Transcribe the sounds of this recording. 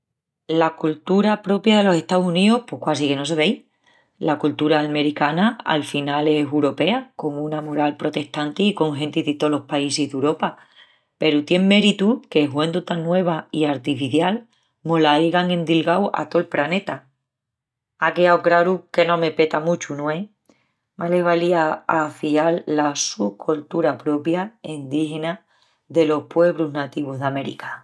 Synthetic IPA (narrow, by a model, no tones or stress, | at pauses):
lakult̪uɾapɾo̞pjaðe̞lo̞se̞ht̪awsuniohpo̞hkwasike̞no̞s̬e̞β̞ej | lakult̪uɾaːlme̞ɾikanaa̰lfinale̞suɾo̞pe̞ako̞ŋũnamoɾalpɾo̞t̪e̞ht̪ant̪iːko̞ŋxe̞nt̪iðet̪olo̞hpaiseɦðeuwɾo̞pa | pe̞ɾut̪je̞ŋmːe̞ɾit̪ukeɦwend̪ot̪anːwe̞β̞aiaɾt̪ifiθjal | molaejɣaŋẽ̞nd̪ilɣawa̰t̪oelpɾane̞t̪a | akeawkɾaɾuke̞nõ̞me̞pe̞t̪amut͡ʃunue | male̞βaliaafialːasukʰolt̪uɾapɾo̞pjaind̪ihe̞na | ðe̞lo̞hpwe̞β̞ɾuznat̪iβ̞uɦðame̞ɾḭkḁ